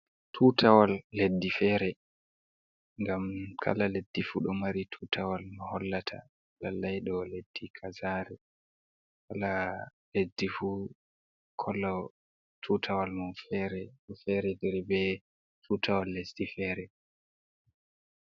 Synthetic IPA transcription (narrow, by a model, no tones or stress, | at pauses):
tʰuːtʰawalːedːifɛɾɛ | ŋɡamkʰa̰laledːifuɗɔmaɾitʰutʰawalnɔhɔlːatʰa̰ | lalːajɗɔled̥ːikʰazaːɾɛ | kalaledːifu | kʰɔlːɔ | tʰuːtʰawalmɔfɛɾɛɔfɛɾɛdɛɾbɛ | tʰuːtʰawalːesdifɛːɾɛ